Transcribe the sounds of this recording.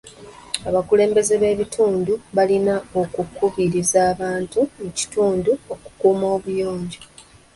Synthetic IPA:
aβakule̞ːmbe̞ze̞βe̞ːβitʰuːnduβalinao̞kukuβiɾizaːβaːntumuci̥tuːnduo̞ku̥kuːmo̞ːβujo̞ːɲɟo

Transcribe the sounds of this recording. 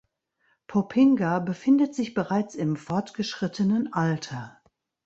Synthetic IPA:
pʰɔpʰɪŋɡabəfɪndətz̥ɪçb̥əʁaɪt͡sɪmfɔɐtɡ̥əʃʁ̥ɪtʰənənʔaltʰɐ

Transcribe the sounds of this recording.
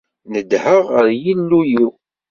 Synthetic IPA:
nəd̪həʁəɾjinːujiw

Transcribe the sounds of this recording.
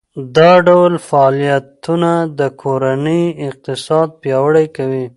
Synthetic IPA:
d̪ɑɖawlfaːlijat̪unad̪əkʰoɾanəjɪq̚t̪ɪsɑd̪̚pjɑwəɽajkawi

